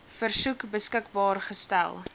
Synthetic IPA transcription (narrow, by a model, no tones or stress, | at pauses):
fərsukbəskəkbɑːrχəstæ̰lˠ